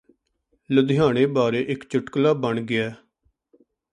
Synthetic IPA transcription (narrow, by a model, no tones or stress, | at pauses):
lʊd̪ɪjaːɽ̃ẽːbaːɾeːʔɪkt͡ʃʊʈklaːbəɳɡɪɛː